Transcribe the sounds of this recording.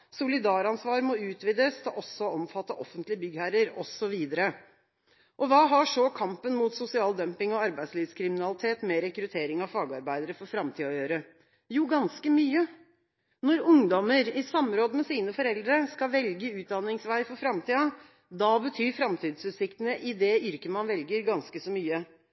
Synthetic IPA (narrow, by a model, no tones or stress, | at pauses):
sʊlɪd̪ɑːɾɑnsʋɑːɾmɔʉːt̪ʰʋiːd̪əst̪ɑʔɔsːɔɔmfɑt̪ːəʔɔfːənt̪lɪəbʏɡhæɾəɾɔsɔʋiːd̪əɾə | ʔɔʋɑːɦɑʂɔkʰɑmpənmuːt̪sʊsɪɑːld̪œmpɪŋɔɑɾbæɪsliːʋskʰɾɪmɪnɑlɪt̪ʰeːt̪mɛɾɛkɾʉt̪ʰeːɾɪŋɑʋfɑːɡɑɾbæɪd̪əɾəfɔɾfɾɑmt̪ʰiːɔjøːɾə | juːɡɑnskəmyːə | nɔɾʊŋd̪ɔməɾɪsɑmɾoːd̪əmɛsiːnəfɔɾɛld̪ɾəskɑʋɛlɡəʉːt̪̚d̪ɑnɪŋsʋæɪfɔɾfɾɑmt̪ʰiːɑ | d̪ɑbət̪ʰyːɾfɾɑmt̪ʰiːd̪sʉːt̪sɪkt̪ənəʔɪd̪ɛʏɾkəmɑnʋɛlɡəɾɡɑnskəsɔmyːə